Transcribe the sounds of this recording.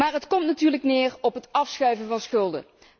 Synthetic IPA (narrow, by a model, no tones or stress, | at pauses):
maːɹɦətkɔmtnatyːɹləknɪːrɔpɦətɑfsχœɥvənvɑnsχɵlˠdə̰